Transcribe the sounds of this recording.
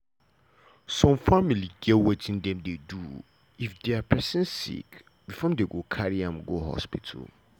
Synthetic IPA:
sɔ̃mfamiliɡɛwɛtʰɪ̃ndɛ̃mdedu | ifdeapʰɛsɛ̃nsḭk | bifɔ̃deɡokʰaɾiãmɡoɦɔ̰spʰitʰa̰l

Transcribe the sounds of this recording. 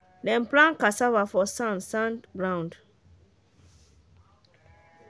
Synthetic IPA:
dɛ̃nplãnkasavafɔsãnsãnbɹãʊ̃nd

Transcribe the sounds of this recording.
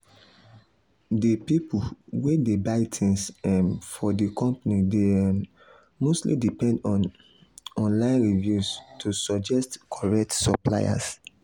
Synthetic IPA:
dipipuwedebaɪtʰĩnsɛ̃nfɔdikɔ̃mpanide | mostlḭdipɛ̃ndɔ̃n | ɔ̃nlãɪ̃nɹivjustʰusɔd͡ʒɛstkʰɔɹɛk̚tsɔpla̰ja̰s

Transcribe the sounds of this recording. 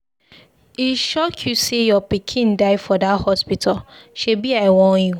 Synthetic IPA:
iʃɔkʰjusejɔpikʰĩndaɪfɔdathɔspitʰalʃebiaɪwɔ̃nju

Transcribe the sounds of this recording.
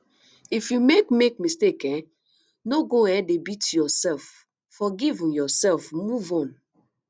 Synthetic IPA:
ifjumekmek̚mistekɛ̃ | noɡoɛ̃debitjɔsɛlfː | ɔɡivĩnjɔsɛlfmuvɔ̃n

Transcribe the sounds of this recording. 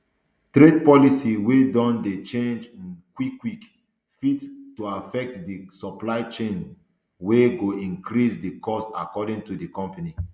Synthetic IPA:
tɾed̚pɔlisiwedɔ̃ndet͡ʃẽnd͡ʒĩnkwikːwik | fittuafɛk̚tdisɔplaɪt͡ʃẽn | weɡoĩŋkɾisdikɔsta̰kɔdĩŋtudikɔ̃mpani

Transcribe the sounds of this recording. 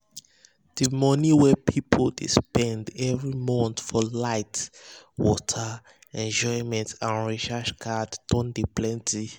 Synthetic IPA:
d̥imɔniwɛpʰipʰoldespɛ̃ndɛvɹimɔ̃ntfɔlaɪtwɔtʰə | ɛ̃nd͡ʒɔɪmɛ̃ntʰãnɹeʃaʃkʰadtɔ̃ndeplɛ̃nti

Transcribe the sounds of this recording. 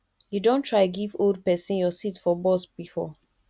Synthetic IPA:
judõntʰɹaɪɡivold̚pɛsĩnjɔsitfɔbɔsb̥ifɔ̰

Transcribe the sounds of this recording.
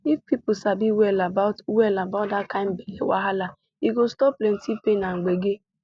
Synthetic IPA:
ifpipʊsabiwelabaʊtwelabadakaɪ̃m̩belḛwa̰ɦala | iɡostɔplentipenaŋ̩ɡ͡beɡe

